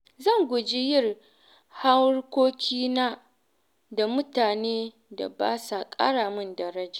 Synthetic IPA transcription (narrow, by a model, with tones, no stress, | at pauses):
zɐ˦˨ŋɡʷʊ˨d͡ʒi˦jɪ˦˨r | ha˦wɽkʷoː˦kʲʰiː˦naː˦ | da˨mʊ˦taː˨neː˦ | da̰˨baː˦sa˨kʼɐ̰˦ɽaː˨mɪ˦ndɐ˨ɾɐ˦d͡ʒa˨